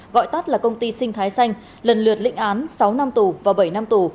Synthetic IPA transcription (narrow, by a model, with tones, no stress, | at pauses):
ɣɔ̰˧˨jt̪a˦˥t̚laː˨˩kə˧wŋ͡mt̪i˧sï˧ŋ̟t̪ʰaː˨˦jsa˧jŋ̟ | lə˨˩nlɨ˨˩ət̚lḭ̈˧˥ŋ̟ʔaː˨˦nsa˨˦wna˧mt̪u˨˩vaː˨˩ɓə˧˩jna˧mt̪u˨˩